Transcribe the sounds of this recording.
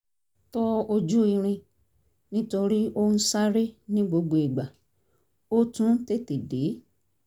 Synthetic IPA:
tɔ˦o˧d͡ʒu˦i˧ɾ̃ĩ˧ | nĩ˦to˧ɾi˦o˦n̩˦sa˦ɾe˦nĩ˦ɡ͡bo˧ɡ͡bo˨e˨ɡ͡ba˨ | o˦tũ˦te˦te˨de˨˦

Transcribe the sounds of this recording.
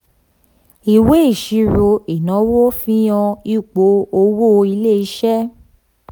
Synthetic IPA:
i˨we˦i˦˨ʃi˨˧ɾo˧i˨nã˨˦wo˦fĩ˦j̃ã˧i˦˨k͡po˨˦o˧wo˦˧i˧le˦˨i˧˦ʃɛ˦

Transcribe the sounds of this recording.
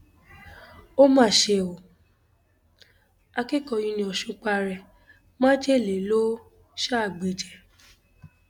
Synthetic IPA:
o˦mãː˦˨ʃe˧˨o˨ | a˧ke˦kɔ˧˨jĩ˧nĩ˧ɔ˨ʃũ˨˧˦k͡pa˧ɾɛ˨ | mã˦d͡ʒe˦˨le˨˦lo˦ | ʃa˦˨ɡ͡be˨d͡ʒɛ˨

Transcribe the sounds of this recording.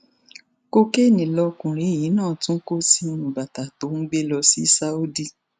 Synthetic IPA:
ko˦ke˦˨nĩ˨lɔ˧kũ˨ɾ̃i˨˦˨ji˨˦nãː˦˨tũ˦ko˦si˦˧˦nũ˨ba˨ta˨to˨˦ŋ̩˦ɡ͡be˦lɔ˧si˦sa˦u˦di˦

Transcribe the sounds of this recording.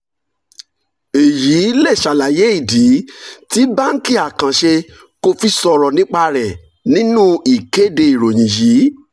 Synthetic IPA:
e˨ji˨˦lɛ˦˨ʃa˨la˨je˨˦i˦˨di˨˦ti˦ba˦ŋ̩˦ki˦a˨kã˨ʃe˧ | ko˧fi˦sɔ˧ɾɔ˨nĩ˦k͡pa˧ɾɛ˨ | nĩ˦nũ˦i˨ke˦˨de˧i˨ɾo˨j̃ĩ˨ji˨˦

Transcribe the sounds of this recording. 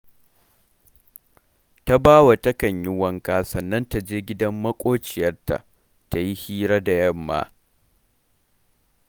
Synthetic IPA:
ta˦baː˦wa˨tɐ˦kɐ˨ɲjɪ˦wɐ˦ŋkaː˦sɐ˨nːɐ˦nta˨d͡ʒeː˦ɡʲɪ˦dɐ˦mːɐ˦kʷʼoː˦t͡ʃɪ˨jɐ˦rta̰˨ʔ | ta˨ji˦hiː˦ɾa˦da˨jɐ˦˨mːa̰ː˦

